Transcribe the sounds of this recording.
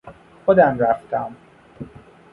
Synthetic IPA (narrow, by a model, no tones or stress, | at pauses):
xod̪æmɾæft̪ʰæm